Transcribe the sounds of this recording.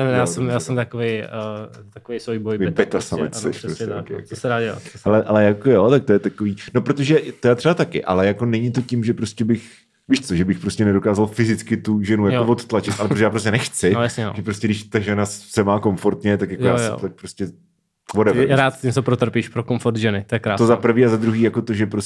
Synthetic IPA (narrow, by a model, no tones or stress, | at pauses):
ɛjaːsɛmjaːsɛmt̪akovej | t̪akovejsvojbojebɛt̪asamɛ̰ɛʃpɾosɛkɪja̰ksɛɾaːa̰alɛʔalɛjakojot̪ak̚t̪ojɛt̪akoviːnopɾot̪oʒɛt̪ojat̪r̥ɛbat̪akɪʔa̰lɛjako̞nɛɲɪt̪o̞cɪmʒɛpɾo̞scɛbɪx | viːʃt͡soʒɛbɪxpɾoscɛnɛdo̞kaːzalfɪzɪt͡skɪt̪uʒɛnujakovot̪t̪lat͡ʃɪt̪ʔalɛpoʒɛjaːpɾos̬cɛnɛxt͡sɪjasɲɛ̰ʒɛpɾoscɛdɪʃt̪aʒɛnassɛmaːko̞ɱfo̞ɾt̪ɲɛt̪akjakojaɛt̪ak̚pɾoscɛ | vodɛvɾɾaːt̪stɪmsɛpɾot̪r̩piʃpɾokoɱfoɾt̪ʒɛnɪt̪ojɛkɾaːst̪ozapɾ̩r̩viːazad̪ɾuɦiːjakot̪o̞ʒɛpɾos